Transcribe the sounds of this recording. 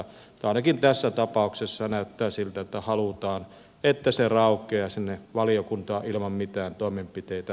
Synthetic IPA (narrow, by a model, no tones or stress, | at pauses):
t̪ɑˑenɑkint̪æsːæt̪ɑpɑˑuksesːɑnæˑøt̪ːæːsilt̪æt̪ːæhɑlut̪ɑːn | et̪ːæserɑˑokˑeɑsinːeʋɑlijokunt̪ɑːʔʔilmɑmmit̪æːnt̪oˑemempit̪eˑit̪æ